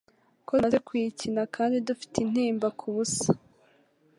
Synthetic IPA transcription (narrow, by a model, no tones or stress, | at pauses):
kozekwicinakʰaːndidufi̥tin̥hiːmbakʰuβusḁ